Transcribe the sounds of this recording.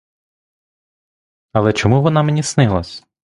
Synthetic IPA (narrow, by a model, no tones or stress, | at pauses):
ɐlˠɛt͡ʃɔmuʋɔnɑmenʲisnɪlˠɐsʲ